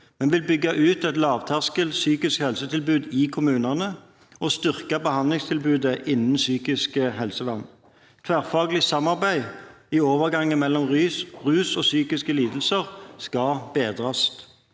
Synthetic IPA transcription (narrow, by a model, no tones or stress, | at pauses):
mɛnʋɪlbʏɡːɑʔʉːt̪ɛt̪lɑːʋt̪ʰæʁskəlt̪syːkɪskhɛlsət̪ʰɪlbʉːd̪ɪːkʰʊmʉːnɑnə | ɔst̪ʏʁkɑbəhɑnlɪŋst̪ʰɪlbʉːd̪əʔɪnn̩syːkɪskəhɛlsəʋɑn | k̪ʰʋæːʁfɑːɡlɪsɑmɑʁbæɪ | ɪoːʋəʁɡɑŋːənmɛlːɔmʁyːsʁʉːsɔsyːkɪskəliːd̪l̩səʁskɑbeːd̪ʁɑst̪